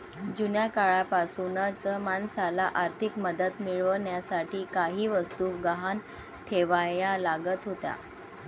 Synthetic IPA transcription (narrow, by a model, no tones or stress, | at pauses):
d͡ʑunjakaɭapasunat͡səmansalaʔaɾt̪ʰikməd̪ət̪miɭʋəɳjasaʈʰiːkaɦiːʋəst̪uːɡəɦan | ʈʰeʋajalaɡət̪ɦot̪a̰